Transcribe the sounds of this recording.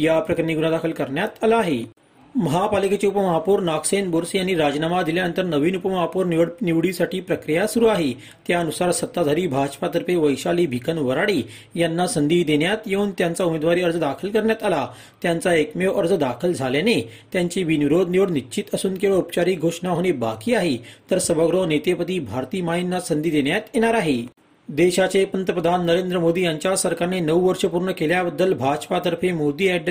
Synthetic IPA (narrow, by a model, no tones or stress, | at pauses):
japɾəkɾəniɡunad̪akʰəlkəɾɳjat̪alaːɦe | məɦapaliket͡ɕeupəməɦapuːɾnaksenboɾsjañiɾad͡ʑnamad̪iljanənt̪əɾnəʋiːnupəməɦapuːɾniʋɽniʋɽisaʈiːpɾəkɾijasuɾuːaɦe | t̪jaənusaɾsət̪ːad̪ʱaɾiːbʱad͡ʑpat̪əɾpeʋəjɕaliːbʱikʰənʋəɾaɽiː | janːasənd̪iːd̪eɳjat̪jeuːnt̪jãnt͡saumed̪ʋaɾiːəɾd͡zəd̪akʰəlkəɾɳjat̪ala | t̪jant͡saekmeʋʔəɾd͡zəd̪akʰəld͡zʱaljane | t̪jãɲt͡ɕiːʋinʋiɾod̪̚ʱniʋəɽnit͡ɕit̪əsuːnkeɭoupt͡ɕaɾiːɡʱoʂɳaɦoɽ̃ebakiːaɦet̪əɾsəbəɡɾonet̪epət̪iːbʱaɾt̪iːmaɦinːasənd̪iːd̪eɳjat̪jeɽ̃aɾaɦe | d̪eɕat͡sepənt̪əpɾəd̪ʱanːəɾend̪ɾəmod̪iːjãɲt͡ɕjasəɾkaɾnenəwʋəɾʂəpuɾɳəkeljabəd̪ːəlbʱad͡ʑpat̪əɾfẽmod̪iːɛɖ